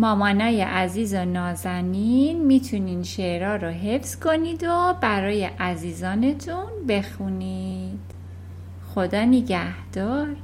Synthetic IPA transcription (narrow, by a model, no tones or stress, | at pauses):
mɒːmɒːnɒːjḛʔæziːzonɒːzæninmit̪ʰuniːnʃeʔɾɒːɾoɦe̞fskʰo̞nid̪obæɾɒːjeʔæziːzɒːne̞t̪ʰunbe̞xunid̪̥ | xod̪ɒːneɟæhd̪̥ɒːɾ